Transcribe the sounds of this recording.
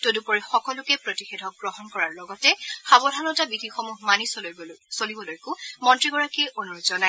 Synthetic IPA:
todupɔɹixɔkɔlʊkɛpɹotixedʱɔk̚ɡɹɔɦɔnkɔɹaɹlɔɡɔtɛxabɔdʱanɔtabidixɔmuɦmanissolibɔlojkʊmɔntɹiɡɔɹakiʔonuɹzɔna

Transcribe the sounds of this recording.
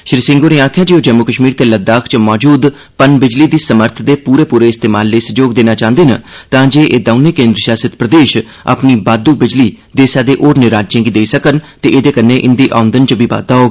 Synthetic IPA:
ʃɾiːsɪ̃ŋɡoːneːaːkʰjaːd͡ʒeːoːd͡ʒɛːmoːkəʃmiːɾt̪eːləd̪aːkʰt͡ʃmɔːd͡ʒuːd̪ | pənbɪd͡ʒliːd̪iːsəməɾt̪ʰd̪eːpuːɾeːpuːɾeːɪst̪eːmaːlːeːsəd͡ʒoːɡ̚d̪eːnaːt͡ʃãːnd̪eːnə̰t̪ãːd͡ʒeːʔeːd̪aʊnẽːkẽːnd̪ɾəʃaːsət̪pɾəd̪eːʃ | a̰pniːbaːd̪uːbɪd͡ʒliː | d̪eːsaːd̪eːʔoːɾnɪɾaːd͡ʒẽːɡiːd̪eːisəkənt̪eːʔeːd̪eːkənːẽːʔɪnd̪iːʔa̰ːʊ̃nd̪ənt͡ʃəbʱiːba̰ːd̪aːɦoːɡ

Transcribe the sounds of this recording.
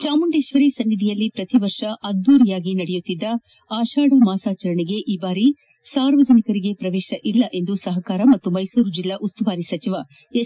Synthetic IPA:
t͡ʃaːmuɳɖeːʃʋɐɾisɐnːid̪ʱijɐlːipɾɐt̪iʋɐɾʂɐʔɐɡ̚d̪uːɾijaːɡinɐɽɛjut̪ːid̪ːɐ | aːʃaːɽɐmaːsaːt͡ʃɐɾɐɳiɡe̞ʔiːbaːɾi | saːɾʋɐd͡ʒɐnikɐɾiɡe̞pɾɐʋɛːʃɐʔilːɐʔe̞nd̪usɐɦɐkaːɾɐmɐt̪ːumɐjsuːɾud͡ʒilːɐʔust̪uʋaːɾisɐt͡ʃiʋɐ | e

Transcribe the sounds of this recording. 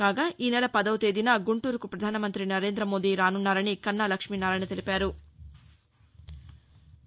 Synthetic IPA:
aːɡaːʔiːnɛɭɐpɐd̪ɐwut̪eːd̪inaːɡuɳʈuːɾukupɾɐd̪ʱaːnɐmɐnt̪ɾinɐɾe̞ːnd̪ɾɐmo̞ːd̪iɾaːnunːaːɾɐnikɐnːaːlɐkʂminaːɾɐnit̪e̞lipaːɾu

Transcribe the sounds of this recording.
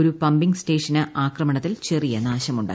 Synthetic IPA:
ɾupɐmbiŋɡsʈe̞ːʂɐnɐʔaːkrɐmɐɳɐt̪ːilt͡ɕe̞rijɐnaːɕɐmuɳɖa̰ː

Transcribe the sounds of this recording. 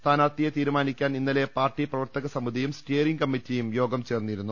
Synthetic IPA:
t̪ʰaːnaːt̪ijet̪iːɾumaːnikʲːaːninːɐle̞paːrʈːiprɐʋɐrt̪ɐɣɐsɐmid̪ʱijumsteːriŋkɐmːitːijumjo̞ːɡɐmt͡ɕe̞ːrnːiɾunːu

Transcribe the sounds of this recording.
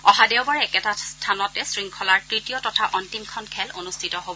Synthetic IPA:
ɔɦadɛwbaɹɛɛkɛtastʰanɔtɛsɹiŋkʰɔlaɹtɹitijɔtɔtʰaʔɔntimkʰɔnkʰɛlonustʰitɔɦobɔ

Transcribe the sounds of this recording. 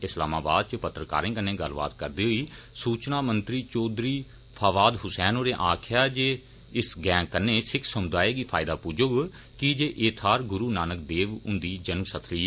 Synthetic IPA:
ɪslaːmaːba̰ːd̪̚t͡ʃəpət̪ɾəka̰ːɾẽːkənːeːɡəlba̰ːt̪kəɾd̪iːɦoiː | suːt͡ʃnaːmənt̪ɾiːt͡ʃoːd̪ɾiː | pʰaːʋaːd̪ɦʊsɛːnoːɾeːʔaːkʰɪjaːd͡ʒeː | ɪsɡɛ̃ːkənːeːsɪkʰsəmd̪aːeːɡiːpʰaːɪd̪aːpuːd͡ʒʊɡ | kid͡ʒeːʔeːt̪ʰaːɾɡʊɾuːnaːnək̚d̪eːʋʊ̃nd̪iːd͡ʒənməsət̪ʰliː

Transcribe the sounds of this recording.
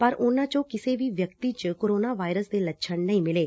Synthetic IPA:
pəɾʔʊnãːt͡ʃõːkɪseːʋiːʋjəkt̪iːt͡ʃkoːɾoːnaːʋaːɪɾəsd̪eːlətːʃʰəɳnəĩːmɪleː

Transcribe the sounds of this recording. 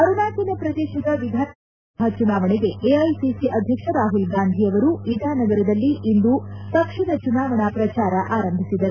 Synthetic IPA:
ɐɾunaːt̪inɐpɾɐd̪ɛːʃɐd̪ɐʋid̪ʱaː | ɐt͡ʃunaːʋɐɳeɡe̞ʔeɐjsisiʔɐd̪ʱjɐkʂɐɾaːɦulɡaːnd̪ʱijɐʋɐɾuʋid̪ʱaːnɐɡɐɾɐd̪ɐlːiʔind̪ut̪ɐkʂiɽɐt͡ʃunaːʋɐɳaːpɾɐt͡ʃaːɾɐʔaːɾɐmbʱisid̪ːɐɾu

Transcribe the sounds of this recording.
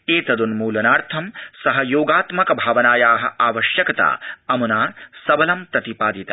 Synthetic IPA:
eːt̪ɐd̪unmuːlɐnaːɾt̪ʰɐmsɐɦɐjoːɡaːt̪mɐkɐbʱaːʋɐnaːjaːɦɐ̆ʔaːʋɐʃjɐkɐt̪a̰ːɐmunaːsɐbɐlɐmp̪ɾɐt̪ipaːd̪it̪a

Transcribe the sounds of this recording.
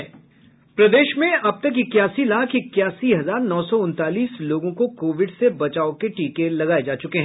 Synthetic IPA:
pɾɐd̪eːʃmẽɐb̚t̪ɐkɪkːjaːsilaːkʰɪkːjaːsiɦɐzaːɾnɔːsɔʊ̃nt̪aːliːsloːɡõkokoːʋɪɖsebɐt͡ʃaːokeʈiːkelɐɡaːed͡ʒaːt͡ʃʊkeɦɛ̃ː

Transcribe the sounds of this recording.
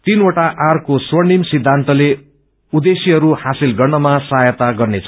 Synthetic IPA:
t̪inoʈaʔarkoswʌnimsid̪ʱːant̪ʌle | ud̪esiɦʌɾuhasilɡʌrnʌmasajʌt̪aɡʌrnet͡sʰʌ

